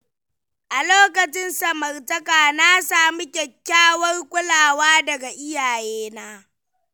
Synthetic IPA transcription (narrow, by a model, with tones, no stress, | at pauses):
ʔa˨loː˦kɐ˨t͡ʃɪ˦nsɐ˨mɐ˨rtɐ˦kʼaː˨naː˦saː˨mi˦kʲɛ˨kʲːaː˦wɐ˦rkʷʼʊ˦laː˨waː˦dɐ˨ɡa˨ʔɪ˦jaː˨jeː˦naː˦